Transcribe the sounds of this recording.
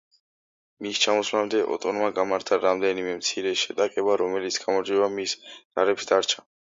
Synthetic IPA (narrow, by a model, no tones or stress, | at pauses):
mist͡ʃʰamɔslamd̪ɛʔɔ̰t̪ʼɔnmaɡamaɾt̪ʰaɾamd̪ɛnimɛmt̪sʰiɾɛʃɛt̪ʼakʼɛbaɾɔmɛlit̪sʰɡ̥amɔɾd͡ʒiɛbamisz̥aɾɛpsd̪aɾt͡ʃʰḁ